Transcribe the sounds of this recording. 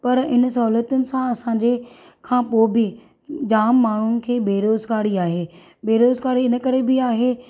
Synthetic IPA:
pɐɾɪnsɐɦuːlət̪ʊnɪ̆sãɐsãːɲd͡ʑe | kʰãːpoːbɪ | d͡ʑaːmːaːɳ̤ʊnɪ̆kʰeːbeːɾoːzkaːɽiaːɦeː | beːɾoːzkaːɽiɪnəkɐɾebɪaːɦeː

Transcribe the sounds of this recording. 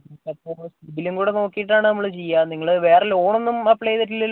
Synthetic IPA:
kːɐt̪ːoɾosibiluŋɡuːɽeno̞ːkːijiʈːaːɳɨnɐmːɐɭɨt͡ɕejːaniŋːɐɭɨʋe̞ːrelo̞ːɳonːumɐpːɭeːðɐʈ̬ːilːɐl

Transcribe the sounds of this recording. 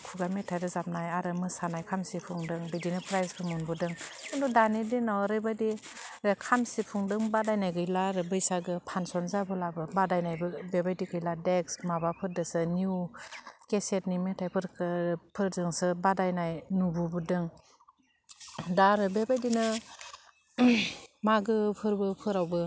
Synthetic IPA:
kʰuɡametʰajɾɯzap̚najaɾɯmɯsanajkʰamsipʰuŋdɯŋbidinɯpʰɾajzpʰɯmunbudɯŋɯndudanidinawɾɯjbadi | kʰamsipʰuŋdɯŋbadajnajɡɯjlaɾɯbɯjsaɡɯpʰansɔnzabɯlabɯbadajnajbɯbebajdikʰɯjladeksmabapʰɯɾdɯsɯnju | kesetnimetʰajpʰɯɾkpʰɯɾdɯŋsɯbadajnajnububɯdɯŋ | daɾɯbebajdinɯ | maɡɯpʰɯɾbɯpʰɯɾawbɯ

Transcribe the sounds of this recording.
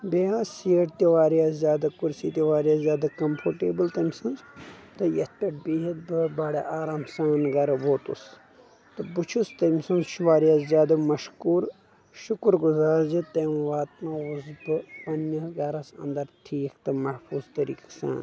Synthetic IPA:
beasiɐʈt̪iʋaːɾijazzjaːd̪ɐkuɾsiːt̪ʲiʋaːɾijaːzjaːd̪ɐkɐmpʰoɾʈeːbɨlt̪ɐmsɐnzt̪ɨjɐt̪ɐʈbiɦit̪̚bɨbaːɽeʔaːɾaːmsaːnɡɐɾɐboːt̪ṵs | t̪ɨbut͡ʃʰust̪ɐmsɐnzʃʰʋaːɾijazzjaːd̪ɐmɐʃkuːɾ | ʃukɾɡuzaːɾd͡ʒɨt̪eːmʋaːt̪maːʋuzbɨpɐnːɐsɡɐɾɐsɐ̰nd̪ɐɾʈʰiːkt̪ɨmɐhfʰuːzt̪ɐɾḭːkɐ̥sa̰ːn

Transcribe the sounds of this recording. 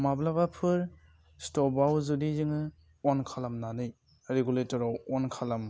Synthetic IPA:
mablabapʰɯɾ | stɔbawzudizɯŋɯ | ɔnkʰalamnanɯj | ɾeɡuletɔɾawɔnkʰalam

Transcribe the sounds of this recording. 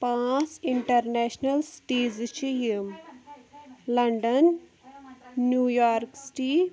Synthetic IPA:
pãːt͡siɳʈɐɾnɛːʃnəlsʈiːzt͡ʃʰim | lɐɳɖən | juːjaːɾksʈi

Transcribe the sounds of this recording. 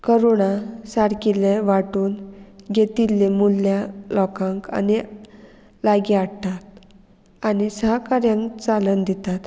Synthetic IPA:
kəɾoɳasaɽkileʋaʈuːnɡet̪ilːemulːjalɔkãŋka̰ni | laɡiaɽt̪at̪̚ | anisəɦakaɾjãŋkt͡salənd̪it̪at̪

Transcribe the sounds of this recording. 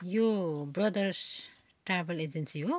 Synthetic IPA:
jobrʌd̪ʌrs | ʈrabeled͡ʒensiɦo

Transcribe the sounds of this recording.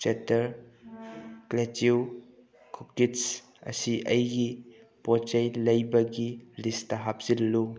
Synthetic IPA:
t͡ʃetɐɾ | kletiw | kʰukits | ɐ̰siʔɐjɡi | pɔt͡ʃɐjlɐjbɐɡiɾistɐɦap̚z̥illu

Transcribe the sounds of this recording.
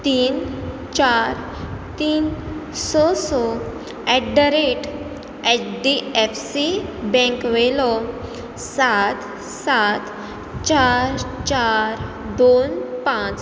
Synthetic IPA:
t̪iːn | t͡ɕaɾ | t̪iːnsɔsɔ | ɛʈɖəɾeʈ | ɛʈɖiɛfsibɛ̃ŋkʋelɔ | sat̪ | sat̪ | t͡ɕaɾt͡ɕaɾ | d̪onpãt͡s

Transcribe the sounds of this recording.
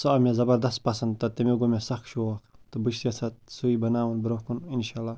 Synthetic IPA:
soamʲezɐbɐɾd̪ɐst̪̚pɐsɐnd̪̚t̪ɐt̪ɐmeɡomesɐxʃoxt̪ɨbɨʃsijaːsɐt̪̚suiːbɐnaːwɐnbɾohkuninʃaːlaː

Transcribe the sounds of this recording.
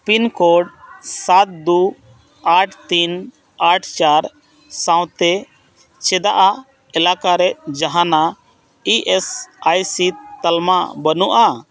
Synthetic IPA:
pinkɔɖsat̪̚d̪u | aʈʰt̪in | aʈʰt͡ʃaɾ | sãw̃t̪ɛ | t͡ʃɛd̪aʔa | ɛlakaɾɛʔd͡ʒaɦana | iʔɛsajsit̪əlma̰bənuʔa

